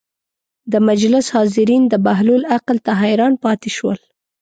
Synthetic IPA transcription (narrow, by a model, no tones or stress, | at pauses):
d̪əmad͡ʒlɪshɑzɪɾind̪əbaɦlulaqlt̪aɦjɾɑnpɑt̪ɪʃwəl